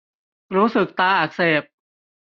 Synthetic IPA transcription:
ɾuː˦˥sɯ˨˩k̚t̪aː˧ʔaː˨˩k̚seː˨˩p̚

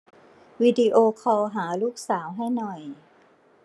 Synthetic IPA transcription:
wiː˧di˧ʔoː˧kʰɔː˧wɦaː˩˦luː˥˩k̚saː˩˦wɦa˥˩jnɔ˨˩j

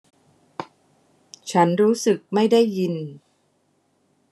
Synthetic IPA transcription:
t͡ɕʰa˦˥nɾuː˦˥sɯ˨˩k̚ma˥˩jda˥˩jːi˧n

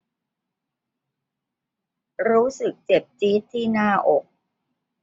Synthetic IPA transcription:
ɾuː˦˥sɯ˨˩k̚t͡ɕe˨˩p̚t͡ɕiː˦˥t̪ʰːiː˥˩naː˥˩ʔo˨˩k̚

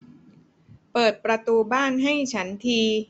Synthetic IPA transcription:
pɤː˨˩t̪̚pɾa˧t̪uː˧baː˥˩nɦa˥˩jt͡ɕʰa˦˥nt̪ʰiː˧

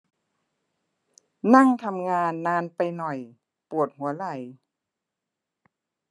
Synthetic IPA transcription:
na˥˩˨ŋt̪ʰa˧mŋaː˧nːaː˧npa˧jnɔ˨˩j | pu˨˩ət̪̚hu˩˦ɐla˨˩j

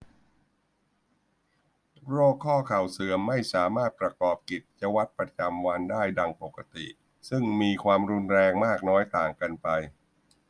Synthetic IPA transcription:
ɾoː˥˩kʰːɔː˥˩kʰa˨˩wsɯː˨˩˦əmːa˥˩jsaː˩˦maː˥˩t̪̚pɾa˧kɔː˨˩p̚ki˨˩t̪̚t͡ɕa˧wa˦˥t̪̚pɾa˧t͡ɕa˧mwa˧ndaː˥˩jda˧ŋpo˨˩ka˧t̪ḭ˨˩ʔ | sɯ˥˩ŋmiː˧kʰwaː˧mɾu˧nɾɛː˧ŋmaː˥˩k̚nɔː˦˥jt̪aː˨˩ŋka˧npa˧j

